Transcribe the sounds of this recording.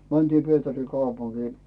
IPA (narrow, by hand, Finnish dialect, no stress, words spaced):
mæntiː pietæri kɑupuŋkiː